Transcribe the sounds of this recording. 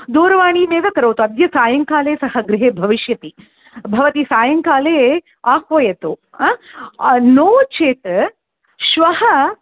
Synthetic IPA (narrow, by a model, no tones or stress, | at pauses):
d̪oːɾɐʋaːɳiːmeːʋɐkɐɾɐwt̪uɐd̪jɐsaːjɐŋkaːleːsɐhɐɡɾɪɦeːbʱɐʋiʃjɐt̪i | bʱɐʋɐt̪isaːjɐŋkaːleː | aːxʋɐjɐt̪u | noːʋt͡ʃeːt̪ | ʃʋɐhɐ